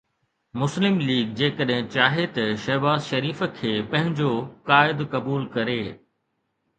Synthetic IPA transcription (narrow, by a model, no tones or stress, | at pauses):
mʊslɪmliːɡd͡ʑeːkəɗɦɪ̃t͡ɕaːɦet̪ɐʃɐɦbaːzʃɐɾiːfə̆kʰeːpɐ̃ɦɪ̃ɲd͡ʑokaːɪd̪kɐbuːlkɐɾeː